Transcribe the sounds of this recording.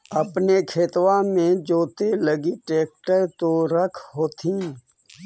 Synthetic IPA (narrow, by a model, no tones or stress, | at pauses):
əpnekʰeːt̪wãmẽd͡ʒoːt̪eləɡiʈeːk̚ʈəɾt̪oɾəkʰɦoːt̪ʰiː